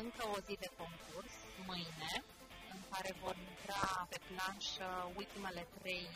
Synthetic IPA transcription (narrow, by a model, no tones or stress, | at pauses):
ɨŋkəo̞zid̪e̞ko̞ŋkurs | mɨjne̞ | ɨŋkaɾe̞vo̞rint̪ɾape̞planʃult̪ime̞le̞t̪ɾe̞j